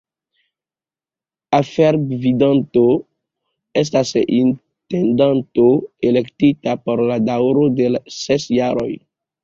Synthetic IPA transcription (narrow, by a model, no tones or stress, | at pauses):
afeɾbvidanto | es̬tasin | tendantoelektitapoɾladawɾodelsesjaɾo̰j